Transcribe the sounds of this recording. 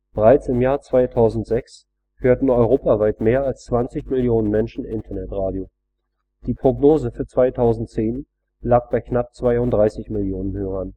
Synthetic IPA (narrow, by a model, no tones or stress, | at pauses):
b̥əʁaɪt͡sɪmjaːɐt͡sv̥aɪtʰaʊzn̩tz̥ɛks | høːɐtn̩ɔʏʁoːpavaɪtmeːɐalst͡sv̥ant͡sɪçmɪljoːnənmɛnʃn̩ʔɪntʰɐnɛtʁaːdjo | d̥iːpʁ̥oɡnoːzəfyːɐt͡sv̥aɪtʰaʊzn̩tt͡seːn | laːk̚b̥aɪknap̚t͡sv̥aɪʊntd̥ʁaɪsɪçmɪljoːnənɦøːʁɐn